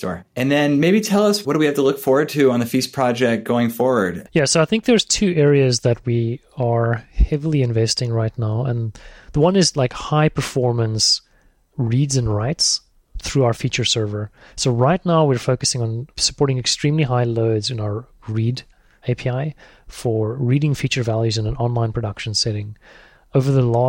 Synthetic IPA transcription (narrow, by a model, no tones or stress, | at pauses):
sɔ̰ɹɨ̃nðɨ̃nmeɪbitʰɛlˠʌswʌd̥ɨwihæftəlʊkfɔɹwə˞d̚tʰɨə̃nðɨfispʰɹ̥ɑd͡ʒɛk̚t̚ɡ̥oʊɪ̃ŋfɔɹwə˞djæsoʊaɪθɪ̃ŋk̚ðə˞z̥tʰʉɛɹiɨzðɨt̚wi | ə˞hɛvl̩ˠiɨ̃ɱvɛstɪ̃ŋɹaɪtⁿnaʊə̃nðəwʌ̃nɨzlaɪkhaɪpʰə˞fɔɹmə̃ns | ɹidzɨ̃nɹaɪts | θɹʉaʊə˞fit͡ʃə˞sɜ˞və˞ | soʊɹaɪtⁿnaʊwiɹfoʊkɨsɪ̃ŋə̃nsə̥pʰɔɹɾɪ̃ŋɨkstɹ̥ĩmliɦaɪloʊdzɨ̃naʊə˞ | ɹid | eɪpʰiaɪ | fə˞ɹiɾɪ̃ŋfit͡ʃə˞vælˠjʉzɨ̃nə̃nɑ̃nlãɪ̃npʰɹ̥ɨdʌkʃɨ̃n̩sɛɾɪ̃ŋ | oʊvə˞ðəlɔ